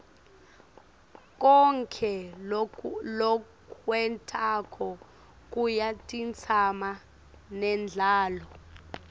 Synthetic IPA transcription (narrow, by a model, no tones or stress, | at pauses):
k̬ʼɔŋkʰɛ | lɔ | kʰwɛntʰʼakʰɔ | k̬ʼujatʼint͡sʰama | nɛnd͡ɮʱaːlɔ